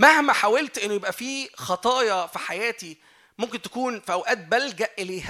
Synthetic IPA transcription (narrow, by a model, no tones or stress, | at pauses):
mæhmæħawelt̪ʔenːojebʔæfiːxɑt̪ˤɑːjɑfiħajæːt̪i | momkent̪æ̥kuːnfʔæwʔæːt̪̚bælɡæʔʔeleːh